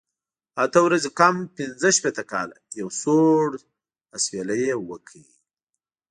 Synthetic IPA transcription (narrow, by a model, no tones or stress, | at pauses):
at̪əwɾazekampɪnzəʃpet̪əkɑ̰la̰jawsoɽ | aswelajewəkʰawi